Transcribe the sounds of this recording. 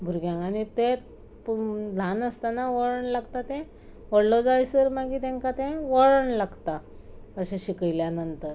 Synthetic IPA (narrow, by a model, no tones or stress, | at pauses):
bʱuɾɡjãanit̪ẽ | d̪ʱanəst̪anaʋəɭəɳlaɡt̪at̪ɛ̃ | ʋəɽlɔd͡zajsəɾmaɡit̪ẽŋkat̪ɛ̃ʋəɭəɳlaɡt̪a | əɕẽɕikəjljanənt̪əɾ